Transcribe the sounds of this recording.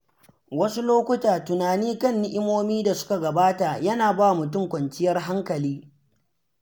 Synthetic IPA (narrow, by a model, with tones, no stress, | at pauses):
wɐ˦su˦loː˦kʷʊ˦taː˨tʊ˨naː˨niː˦kɐ˦˨nːɪ˦ʔɪ˦moː˦miː˦da˨sʊ̥˦ka˨ɡɐ˨baː˦ta˨jɐ˦naː˨baː˦˨mʊ˨t̬ʊ˦˨ŋkʷɐ˨nt͡ʃɪ˦jɐ˦rɦa˦ŋkɐ˨liː˦